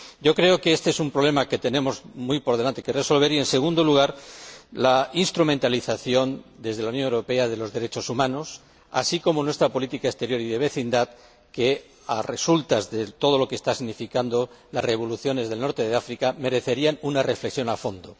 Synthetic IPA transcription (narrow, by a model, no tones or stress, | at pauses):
ɟ͡ʝo̞kɾe̞okeest̪e̞esumpɾole̞make̞t̪e̞nẽ̞mo̞zmujpo̞ɾðe̞lant̪ekereso̞lβ̞e̞ɾie̞nse̞ɣũnd̪o̞luɣ̞aɾlainst̪ɾumẽnt̪aliθaθjo̞nd̪e̞zðelaunjo̞newɾo̞pe̞aðe̞lo̞zðe̞ɾe̞t͡ʃo̞sumãno̞s | a̰siko̞mo̞nwe̞st̪ɾapo̞lit̪ikaest̪e̞ɾjo̞ɾiðe̞βe̞θind̪að | ke̞ | are̞sult̪azðe̞t̪o̞ð̞o̞lo̞kest̪asiɣnifikand̪o̞lareβ̞o̞luθjo̞ne̞zð̞e̞lno̞ɾt̪e̞ðeafɾikame̞ɾe̞θe̞ɾianunare̞fle̞ksjonafo̞nd̪o